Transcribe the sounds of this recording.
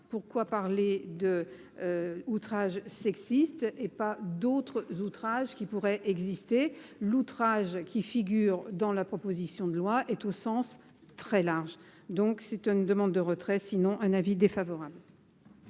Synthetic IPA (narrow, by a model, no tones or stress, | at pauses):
puʁkwapaʁled̪ə | øut̪χaʒsɛksist̪epad̪ot̪χəzut̪χaʒkʲipuʁɛʔɛɡzist̪elut̪χaʒkʲifiɡʲyʁd̪ɑ̃lapχɔpozisjɔ̃d̪əlwaʔɛt̪osɑ̃s | t̪χɛlaʁʒd̪ɔ̃ksɛt̪ynd̪əmɑ̃d̪ːəʁət̪χɛsinɔ̃ʔɛ̃navid̪efavɔʁabl